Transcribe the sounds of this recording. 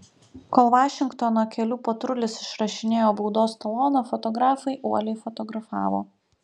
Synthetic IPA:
koːlˠʋɑːʃʲɪŋkt̪ɔnoːkʲɛlʲuːpɐt̪ɾʊlʲɪsɪʃɾɐʃʲɪnʲeːjoːbuʊd̪oːst̪ɐlˠoːnoːfɔt̪ɔɡɾɑːfɐɪʔuɔlʲɛɪfɔt̪ɔɡɾɐfɑːʋo̰ː

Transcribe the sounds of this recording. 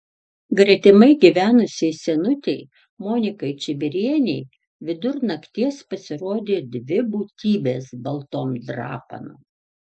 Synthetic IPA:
ɡɾʲɛt̪ʲɪmɐɪɡʲiʋʲæːnʊsʲɛɪsʲɛnʊt̪ʲɛɪ | moːnʲɪkɐɪt͡ʃʲɪbʲɪɾʲiɛnʲɛɪ | ʋʲɪd̪ʊɾnɐkt̪ʲiɛspɐsʲɪɾoːd̪ʲeːd̪ʲʋʲɪbuːt̪ʲiːbʲeːsbɐlˠt̪oːmd̪ɾɑ̰ːpɐ̰noː

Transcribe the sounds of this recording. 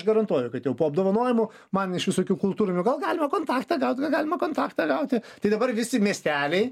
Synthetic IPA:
ʃɡɐɾɐnt̪uɔjɛʊkɐt̪jɛʊpoːɐb̚d̪oːʋɐnoɔjɪmʊ | mɐnɪʃʋʲɪsoːkʲuːkʊlˠt̪uːɾʲʊnʲʊɡɐlˠɡɑːlʲɪmɐkoːnt̪ɑːkt̪ɐːɡɐʊt̪ʲɡɐlˠɡɑːlʲɪmɐkoːnt̪ɑːkt̪ɑɡɐʊt̪ʲɪt̪ɐɪd̪ɐbɐrʋʲɪsʲɪmʲiɛsʲt̪ʲæːlʲɛɪ

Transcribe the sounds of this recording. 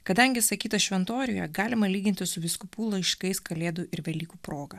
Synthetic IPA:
kɐd̪ɐŋʲɡʲɪsɐkʲiːt̪ɐʃʲʋʲɛnt̪oːɾʲɪːjɛɡɑːlʲɪmɐlʲiːɡʲɪnt̪ʲɪsʊʋʲɪskʊpuːlˠɐɪʃkɐɪskɐlʲeːd̪uʔɪɾʋʲɛlʲiːkuːpɾoːɡɐ

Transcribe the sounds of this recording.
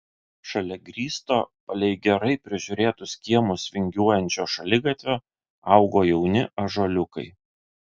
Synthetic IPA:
ʃɐlʲɛɡɾʲiːst̪oːpɐlʲɛɪɡʲɛɾɐɪpʲɾʲɪʒʲʊɾʲeːt̪ʊskʲiɛmʊsʋʲɪŋʲɡʲuɔjɛnʲt͡ʃʲoːʃɐlʲɪɡɐt̪ʲʋʲoː | ɑˑʊɡoːjɛʊnʲɪʔɐʒolʲʊkɐ̰ɪ

